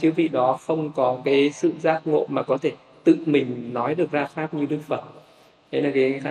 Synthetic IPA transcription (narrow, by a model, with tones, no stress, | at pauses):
t͡ɕɨ˨˦vḭ˧˨ɗɔ˨˦xə˧wŋ͡mkɔ˨˦kaː˨˦jsɨ̰˧˨zaː˦˥k̚ŋo̰˧˨maː˨˩kɔ˨˦t̪ʰe˧˩ | t̪ɨ̰˧˨mï˨˩ŋ̟nɔ˨˦jɗɨ˨˩ək̚zaː˧xaː˦˥p̚ɲɨ˧ɗɨ˦˥ək̚fə˨˩t̚ | ʔʰe˨˦jlaː˨˩kaː˨˦a˨˦